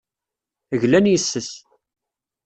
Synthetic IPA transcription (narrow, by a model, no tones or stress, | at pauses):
əʝlænjəsːəs